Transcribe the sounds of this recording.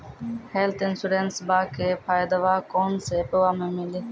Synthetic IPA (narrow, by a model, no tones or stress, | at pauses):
heːlt̪ɪnsuɖeːnsbaːkʰeːpʰaːjd̪əʋaːkoːnseːpəʋaːmẽːmɪliː